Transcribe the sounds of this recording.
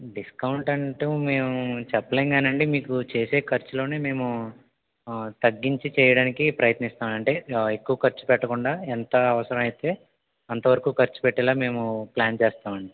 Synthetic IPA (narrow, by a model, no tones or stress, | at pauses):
ɖiskɐwuɳʈɐɳʈuːme̞ːmut͡ʃɛpːɐleːŋɡaːnɐɳɖimiːkut͡ʃeːse̞ːkɐɾt͡ʃulo̞ːneːme̞ːmu | t̪ɐɡːiɲt͡ʃit͡ʃɛːjɐɽaːnikipɾɐjɐt̪nist̪aːmɐɳʈe̞ːekːuʋɐkɐɾt͡ʃu̥pɛʈːɐkuɳɖaːent̪ɐɐʋɐsɐɾɐmɐjt̪e̞ː | ɐnt̪ɐʋɐɾɐkuːkɐɾt͡ʃu̥pɛʈːɛlaːme̞ːmuplaːnt͡ʃɛːst̪aːmɐɳɖi